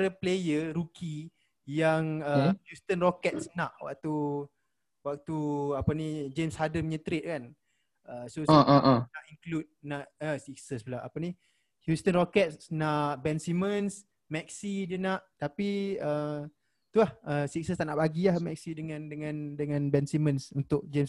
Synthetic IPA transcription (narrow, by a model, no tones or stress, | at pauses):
ɾəplejəɾuki | jaŋəhjust̪ənrokɛt̪̚snaʔwa̰k̚t̪u | wak̚t̪uapənid͡ʒemshadəmɲət̪ɾet̪̚kan | əsosʔnaʔiŋklut̪̚naʔəsik̚səsbəlaʔapəni | hjust̪ənrokɛt̪̚ssnaʔbɛnsiməns | mɛk̚sidənaʔt̪apiə | t̪uahəsik̚səst̪aʔnaʔbaɡiahmɛk̚sidəŋãndəŋãndəŋãnbɛnsimənsunt̪ʊʔ̚d͡ʒems